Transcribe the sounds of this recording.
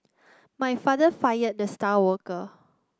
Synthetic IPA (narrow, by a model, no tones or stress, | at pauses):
majfadəfajət̚dəstawɔkə